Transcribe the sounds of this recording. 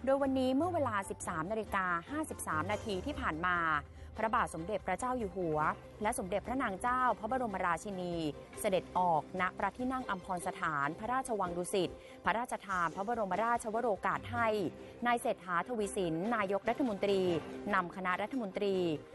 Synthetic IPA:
doː˧jwa˧nːiː˦˥mɯ˥˩ɐweː˧laː˧si˨˩p̚saː˩˦mnaː˧li˧kaː˧haː˥˩si˨˩p̚saː˩˦mnaː˧t̪ʰiː˧t̪ʰiː˥˩pʰaː˨˩nmaː˧ | pʰɾa˧˥baː˨˩t̪̚so˩˦mde˨˩t̪̚pʰːɾa˦˥t͡ɕaː˥˩wjuː˨˩ɦu˩˦ɐ | lɛ˦˥ʔso˩˦mde˨˩t̚pʰɾa˦˥naː˧ŋt͡ɕaː˥˩wpʰɾa˦˥ba˧ɾo˧ma˧ɾaː˧t͡ɕʰi˧niː˧ | sa˧de˨˩t̪̚ʔɔː˨˩k̚na˦˥ʔpɾa˦˥t̪ʰiː˥˩na˥˩ŋʔa˧mpʰɔː˧nsa˧t̪ʰaː˩˦npʰa˦˥ɾaː˥˩t͡ɕʰa˧wa˧ŋduː˧si˨˩t̪̚ | pʰa˦˥ɾaː˥˩t̪̚t͡ɕʰa˧t̪ʰaː˧npʰɾa˦˥ba˧ɾo˧mpʰa˧˥ɾaː˥˩t̪̚t͡ɕʰa˧wa˦˥ɾoː˧kaː˨˩t̪̚ha˥˩j | naː˧jseː˨˩t̪̚haː˩˦t̪ʰoː˧wiː˧si˩˦nːaː˧jo˦˥k̚ɾa˦˥t̪ʰːa˧mo˧nt̪ɾiː˧na˧mkʰa˧na˦˥ʔɾa˦˥t̪ʰːa˧mo˧nt̪ɾiː˧

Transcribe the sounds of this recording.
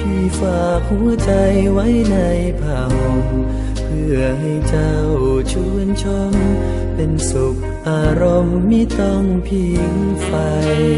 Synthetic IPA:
t̪ʰiː˧˩faː˨˩˨k̚hu˧˥əɐt͡ɕa˧jwa˦˥jna˧jpʰaː˧˩ho˧ŋ | pʰɯ˧˩əɦa˧˩jt͡ɕa˧ | wwt͡ɕʰu˧˥˨ənt͡ɕʰo˧˥m | pe˧nso˨˧˩k̚ʔaː˧˩ɾo˧mːiː˧˥t̪ɔ˧˩ŋpʰi˧˩ŋfa˧j

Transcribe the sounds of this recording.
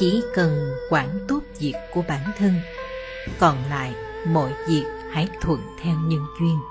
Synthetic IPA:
t͡ɕi˧˩˦kə˨˩nkwaː˧˩nt̪o˦˥p̚vi˨˩əkːu˧˩əɓaː˧˩nt̪ʰə˧n | kɔ˨˩nla̰ː˧˨j | mɔ̰˧˥jvi˨˩ək̚ha˧˥jt̪ʰwə̰˧˨nt̪ʰɛ˧wɲə˧nzwi˧ən

